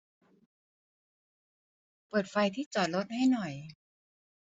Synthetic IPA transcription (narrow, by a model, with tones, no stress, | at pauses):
pɤː˨˩t̪̚fa˧jt̪ʰiː˥˩t͡ɕɔː˨˩t̪̚lo˦˥t̪̚ha˥˩jnɔ˨˩j